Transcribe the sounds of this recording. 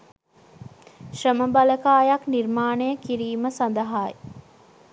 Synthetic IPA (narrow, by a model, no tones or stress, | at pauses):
ʃrəməbaɐləkaːjaknirmaːnəjəkiɾiːməsɐnd̪əɦaːj